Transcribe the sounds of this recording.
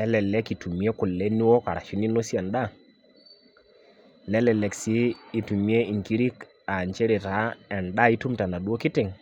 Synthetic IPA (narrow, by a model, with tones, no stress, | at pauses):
lɛ˦lɛ˨lɛ˦ki˨tu˨m˨˦ɛ˦kʊ˨lːɛ˦ni˦wɔ˦ka˨ɾa̰˨ʃi˦ni˦no˦si˦ɛ˨nɗa˦˨ | lɛ˦lɛ˨lɛ˨ksiː˦tu˨mi˦e˦i˨ŋki˦ɾi˦k | a˨ɲt͡ʃɛ˦ɾe˨ta˨˦ɛ˨nɗa˦i˦tu˦mta˨na˨ɗu˦o˦kɪ˦tɪ˨ŋ